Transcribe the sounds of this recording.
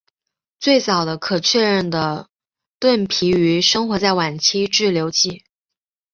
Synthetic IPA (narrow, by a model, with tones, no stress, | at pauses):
t͡swe˥˩ɪt͡sɑ˨˩ʊd̪ə˦kʰɤ˨˩t͡ɕʰɥɛ˥˧ɻə˥˩nd̪ə˩ | t̪wə˥˩npʰi˧˥y˧˥ʂɤ˥ŋxwɔ˧˥t͡sa˥˩ɪwa˨˩nt͡ɕʰi˥ʈ͡ʂɻ̩˥˩ljo˧˥ʊt͡ɕi˥˩